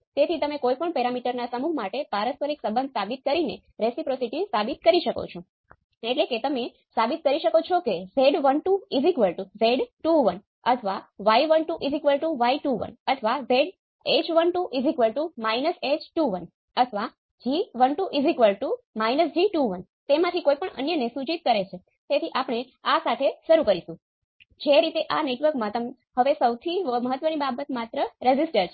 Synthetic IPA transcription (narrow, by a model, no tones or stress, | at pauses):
t̪et̪ʰit̪əmẽkojpəɳpɛɾamiʈəɾnasəmuɦmaʈepaɾəspəɾiksəbənd̪̚ʱsabit̪̚kəɾinḛ | ɾesipɾosiʈisabit̪̚kəɾiʃəko̰t͡ʃʰo | eʈleket̪əme | sabit̪̚kəɾiʃəkot͡ʃʰokezeɖʋənʈuizikʋəlʈuzeɖʈuʋən | ət̪ʰəʋaʋaiʋənʈuʔizikʋəlʈuʋaiʈuʋə̰nət̪ʰʋazeɖ | et͡ʃʋənʈuʔizikʋəlʈumainəset͡ʃʈuʋən | ət̪ʰəʋa | d͡ʒiʋənʈuʔizikʋəlʈumainəsd͡ʒiʈuʋən | t̪emãt̪ʰikoipəɳə̰njənesut͡ʃit̪̚kəɾet͡ʃʰe | t̪et̪ʰiʔapɽ̃e | asat̪ʰeʃəɾukəɾisũ | d͡ʒeɾit̪eʔaneʈʋəɾkmãt̪əm | ɦəʋesəwt̪ʰiməɦət̪ːʋənibabət̪mat̪ɾəɾed͡ʒisʈəɾt͡ʃʰe